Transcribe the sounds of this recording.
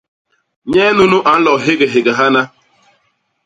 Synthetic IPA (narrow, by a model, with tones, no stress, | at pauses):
ɲeː˦nu˦nu˦ʔa˨n̩˦lɔ˨ɦɪ˦ɡe˨ɦɪ˨ɡa˨ɦa˦na˦